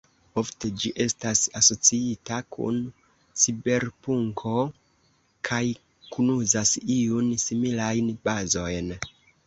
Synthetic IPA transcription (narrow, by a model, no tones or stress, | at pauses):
o̞fte̞d͡ʒiʔe̞stasaso̞t͡siitakʰṵn | sibe̞ɾpuŋkʰo̞ | kʰaj | kunuzasiunsimilajnbazo̞jn